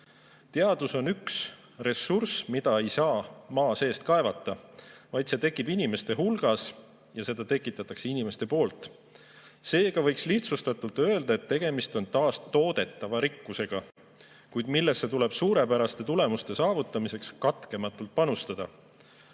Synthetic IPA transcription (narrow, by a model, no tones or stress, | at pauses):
t̪e̞ɑd̪̥uso̞nyks | resːursmid̪̥ɑe̞jsɑːmɑːse̞ːst̪̚kɑe̞vɑt̪ːˑɑvɑjd̪se̞t̪e̞kːˑibinʲime̞st̪e̞ɦulɡ̥ɑs | jɑse̞d̪̥ɑt̪e̞kːˑit̪ːˑɑt̪ːˑɑkse̞inime̞st̪e̞po̞ːlt̪ˑ | se̞ːɡ̥ɑvɤ̞jksliht̪sust̪ɑt̪ˑult̪ø̞e̞ld̪ɑe̞t̪ːe̞ɡ̥e̞mist̪o̞nt̪ɑːst̪ːo̞ːd̪̥e̞t̪ːˑɑvɑɾikːuse̞ɡ̥ɑ | kujd̪milːesːe̞t̪ule̞b̥suːɾe̞pæɾɑst̪e̞t̪ule̞must̪e̞sɑːvut̪ːˑɑmise̞kskɑt̪ke̞mɑt̪ːˑult̪̚pɑnust̪ɑd̪̥ɑ